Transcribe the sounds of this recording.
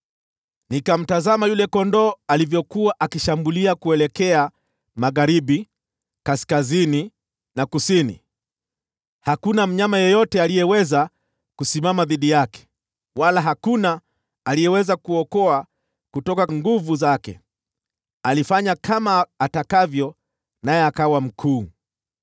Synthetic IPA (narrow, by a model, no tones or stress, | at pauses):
nikam̩tazamajulɛkɔndɔːalivjɔkuwaʔakiʃambuliakuɛlɛkɛa | maɣaɾiɓi | kaskazini | nakusinḭ | hakunam̩ɲamajɔjɔtɛalijɛwɛza | kusimamaðiɗijakɛ̥ | walaɦakuna | alijɛwɛzakuɔkɔa | kutɔkaŋɡuvuzakɛ̰ | alifaɲakamaːtakavjɔ | najɛakawam̩kʰuː